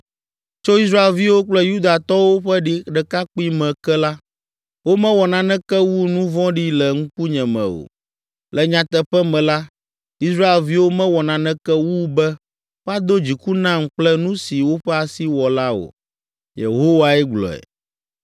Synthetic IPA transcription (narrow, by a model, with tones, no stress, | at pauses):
t͡ʃo˦i˦s̬ɾa˦e˨lvi˦wo˦k͡plɛ˦ju˦d̪a˨t̪ɔ˦wo˦ɸɛ˦ɖi˦ɖɛ˨ka˦k͡pi˦mɛ̃˨kɛ˦la˦ | wo˦mɛ̃˦wɔ˨nã˨nɛ̃˦kɛ˦wu˦nũ˦vɔ̃˦ɖi˦lɛ˨ŋ̩˦ku˦ɲɛ̃˨mɛ̰̃˨o̰˨ | lɛ˨ɲã˨t̪ɛ˨ɸɛ˦mɛ̃˨la˦ | i˦s̬ɾa˦e˨lvi˦wo˦mɛ̃˦wɔ˨nã˨nɛ̃˦kɛ˦wu˦bɛ˦ | wɛ˦a˦d̪o˦d͡ʑi˨ku˦nã˦m˨k͡plɛ˦nũ˦si˨wo˦ɸɛ˦a˨si˦wɔ˨la˦o̰˨ | jḛ˨ɦo˦wa˨ɛ˦ɡ͡blɔ̰˨ɛ̰˨